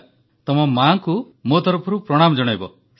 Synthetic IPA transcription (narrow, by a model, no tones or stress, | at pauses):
t̪ɔmɔmaŋku | mot̪ɔɾɔpʰɔɾupɾɔɽ̃amɔd͡ʒɔɽ̃ajbɔ